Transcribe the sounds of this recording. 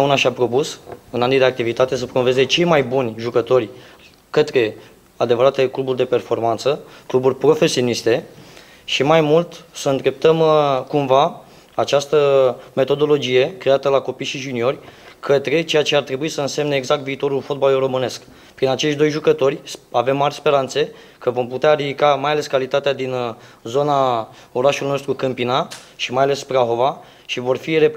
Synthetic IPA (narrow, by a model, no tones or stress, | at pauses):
unaʃapɾo̞pusɨnanid̪e̞ak̚t̪ivit̪at̪e̞s̬əpɾomo̞ve̞ze̞t͡ʃe̞jmajbunʲʒukət̪o̞rʲ | kət̪ɾe̞ | ad̪e̞vəɾat̪eekluburʲd̪e̞pe̞rfo̞rmant̪səkluburʲpɾo̞fe̞sio̞nist̪e̞ | ʃimajmult̪səɨnd̪ɾe̞p̚t̪əmkumva | at͡ʃast̪əme̞t̪o̞d̪o̞lo̞d͡ʒije̞kɾe̞at̪əlako̞pijʃiʒunio̞rʲkʰət̪ɾe̞t͡ʃe̞jat͡ʃe̞art̪ɾe̞buisəɨnse̞mneːɡzak̚t̪viːt̪o̞ɾulfo̞t̪̚baluro̞mɨne̞sk | pɾinat͡ʃe̞ʃt̪ʲd̪o̞jʒukət̪o̞rʲave̞mːarʲspe̞ɾant̪se̞ | kəvo̞mput̪eaɾid̪ikamajale̞skalit̪at̪ead̪in | zo̞na | o̞ɾaʃulijno̞st̪ɾukɨmpinaʃimajale̞spɾaɦova | ʃivo̞rfire̞p